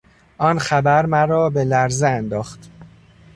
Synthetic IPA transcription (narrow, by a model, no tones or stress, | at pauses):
ʔɒːnxæbæɾmæɾɒːbe̞læɾzeænd̪ɒːxt̪